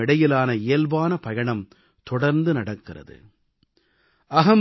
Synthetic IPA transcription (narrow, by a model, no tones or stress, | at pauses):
ɪɽɐjɪlaːnɐɪjɐlbaːnɐpɐjɐɳɐm | t̪ɔɽɐɾnd̪ɯnɐɽɐkːɪrɐ̰ðɯ̰ | ɐɦɐm